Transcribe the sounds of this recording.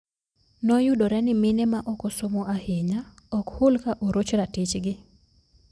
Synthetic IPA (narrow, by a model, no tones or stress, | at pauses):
nɔjʊdoɾɛnɪmɪnemaʔɔkɔsomoʔahɪɲaɔkhʊlkaʔoɾot͡ʃɾatɪt͡ʃɡɪ